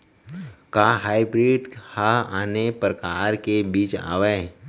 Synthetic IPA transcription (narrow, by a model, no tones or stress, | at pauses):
kaːɦaːibɾiɖhaaːnepɾəkaːɾkebiːt͡ʃa̰ːʋe